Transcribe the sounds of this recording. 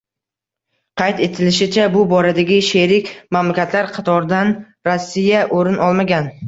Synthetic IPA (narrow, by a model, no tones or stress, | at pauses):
qʰɑjt̪e̞t̪ʰɪlɪʃɪt͡ʃʰabʊbɒɾad̪aɡʲɪʃeɾɪkʲmamlakʲʰat̪laɾqʰɑt̪ʰɒɾd̪an | ɾosːijaʔoɾɪnɒlˠmaɡʲan